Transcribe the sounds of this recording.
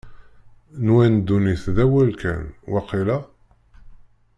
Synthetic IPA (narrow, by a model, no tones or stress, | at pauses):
nwænd̪ːuniθðæwælkæ̰nwæqːilæ